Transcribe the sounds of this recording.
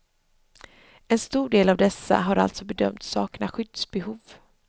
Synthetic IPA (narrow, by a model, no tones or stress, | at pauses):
ɛnst̪uːɖeːlavd̪ɛsːa̰ɦaɾa̰lt̪sɔbɛd̪œmt̪sɑːknaɧʏd̪̥sbɛhuːv